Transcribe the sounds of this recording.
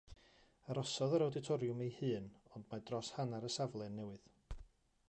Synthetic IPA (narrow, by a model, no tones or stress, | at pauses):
aɾɔsɔðəɾawdɪtʰɔɾjʊmejhɨːnɔndmadrɔshanaɾəsavlˠɛnːɛwɨð